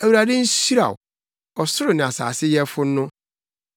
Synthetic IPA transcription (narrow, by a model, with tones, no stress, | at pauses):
æ˨wu˨ɾa˨dɪ̃˦n̩˦si˦ɾa̰˨ʊ̰˨ | ɔ˨sʊ˦ɾʊ˨nɪ̃˨a˨sa̰ː˨sɪ˦jɛ˦fʊ˦n̩˦nʊ̃˦